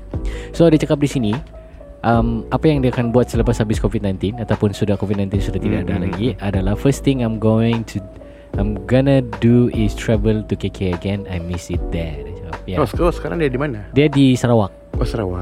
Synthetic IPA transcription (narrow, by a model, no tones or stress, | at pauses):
sodiat͡ʃakap̚disini | ʔəmʔapajaŋdiakanbuat̪̚sələpashabɪskovid̪̚najnt̪ɪnat̪awpʊnsudahkovit̪̚najnt̪ɪnsudaht̪idaadalaɡiʔadalahfəst̪ɪ̃ŋajmɡoɪ̃ŋt̪ʰu | ajmɡɔnəduɪst̪ʰɾɛvəlt̪ukekʰɛəɡɛnajmɪsɪt̪̚d̪ɛdit͡ʃakap̚jaskɔsə̥kaɾa̰ŋdiadimanadiadisəɾawak̚ɔsəɾawa